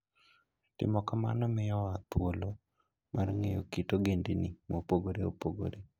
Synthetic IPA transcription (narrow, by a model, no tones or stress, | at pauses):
tɪ̰mɔkama̰nɔmɪjɔat̪wolo | mʔarŋejo̰kitoɡendinɪmopoɡoɾeopoɡo̰ɾe